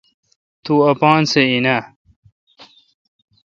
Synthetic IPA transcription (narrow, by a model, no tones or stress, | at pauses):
t̪uɐpaːnseinɐ